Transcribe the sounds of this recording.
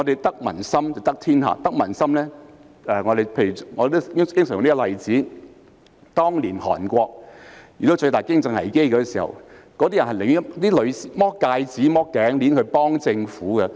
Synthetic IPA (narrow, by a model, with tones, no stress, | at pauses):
ŋɔ˨˧d̪e˨jt̪ɐ˥k̚mɐ̰˨˩nsɐ˥mt͡sɐ˨wt̪ɐ˥k̚t̪ʰiː˥nha̰ː˨˧t̪ɐ˥k̚mɐ˨˩nsɐ˥mlɛː˥ | ɛː˨ŋɔː˨˧d̪e˨jpʰe˧jy˨˩ŋɔ˧de˨t̪o˥ɪ˥ŋ˨kɪ˥ŋsniː˥kɔ˥˧lɐ˨jt͡siː˨˥ | t̪ɔː˥ŋliː˨˩nhɔ̰ː˨˩nkʷɔː˧k̚jyː˨˩t̪o˥t͡sɵ˧t̪aː˨jkɪ˥ŋt͡sɪ˨˧ŋhɐ̰˨˩jke˥jkɔː˨˧˥siː˨˩hɐ̰˨˩w | kɔː˨˧˥t̪iː˥jɐ˨˩nhɐ˨lɪ˨˩ŋ˥t̪iː˥lɵ˨˧ɥsiː˨mɔː˥kːaː˧jt͡siː˨˥mɔː˥kːɛː˨˥ŋliː˨˥nkʰɵ˨˧ɥpɔː˥ŋt͡sɪ˧ŋfuː˨˥kɛ˧